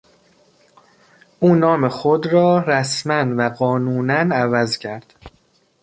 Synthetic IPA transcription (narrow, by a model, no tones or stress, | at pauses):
ʔuːnɒːme̞xod̪ɾɒːɾæsmænvæɢɒːnuːnænævæzcʰæɾd̪̥